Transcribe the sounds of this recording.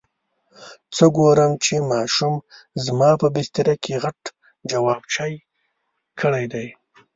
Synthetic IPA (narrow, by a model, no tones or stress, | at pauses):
t͡səɡoɾəmt͡ʃemɑʃumzmɑpəbɪst̪ɪɾakʰeɣaʈ | d͡ʒawɑbt͡ʃɑj | kʰəɽajd̪aj